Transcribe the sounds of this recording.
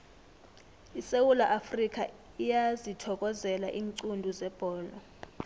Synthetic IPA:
isewulaʔafrik̬ʰʼa | ijazitʰɔk̬ʼɔzɛla̰ʔiːŋǀundʱuzɛb̥ʱɔːlɔ

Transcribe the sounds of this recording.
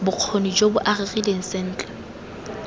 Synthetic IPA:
bʊq͡χʰonid͡ʒobʊʔarɪrileŋ̩sɪn̩ːt͡ɬʼɛ̥

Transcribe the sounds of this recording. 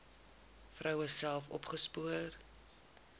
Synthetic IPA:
frʔœwəsælˠfɔ̰pχəspuər

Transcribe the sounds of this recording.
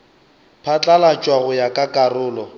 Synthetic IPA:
pʰat͡ɬʼalat͡ʃʼwaɣʊjakʼakʼarʊːlɔ

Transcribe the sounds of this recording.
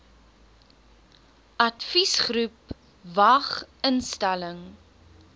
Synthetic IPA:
ʔɐtfisχrup | vɐχənstæləŋ

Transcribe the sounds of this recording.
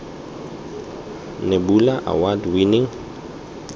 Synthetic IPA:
nebulaʔa̰wadwiniŋ

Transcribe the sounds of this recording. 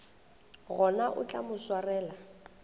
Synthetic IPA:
ɣɔnaʔʊ̰t͡ɬʼa̰mʊswarɛːla

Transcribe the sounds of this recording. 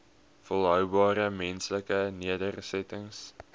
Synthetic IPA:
fəlˠɦœwbɑːɾəmɛnsləkəniədərsɛtəŋs

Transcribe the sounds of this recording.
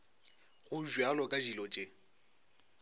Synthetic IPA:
ɣʊʒwalɔkʼaʒilɔt͡ʃʼɪ

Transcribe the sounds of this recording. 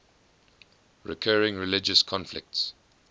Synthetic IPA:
ɹɪ̰kʰɜːɹɪ̃ŋɹɪlɪd͡ʒəskʰɔ̃nflɪ̰k̚ts

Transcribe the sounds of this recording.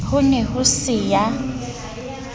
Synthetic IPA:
hʊnɛɦʊsɪja

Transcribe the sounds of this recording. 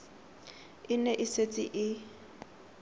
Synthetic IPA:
ɪnɛʔɪset͡sʼɪʔɪ

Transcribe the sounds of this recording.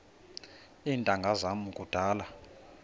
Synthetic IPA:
iːntʼaŋɡʱazamukʼud̥ʱaːla

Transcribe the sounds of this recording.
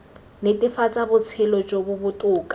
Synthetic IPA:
netʼɪfat͡sʼabʊt͡sʰɪlɔd͡ʒobʊbʊtʼʊːkʼḁ

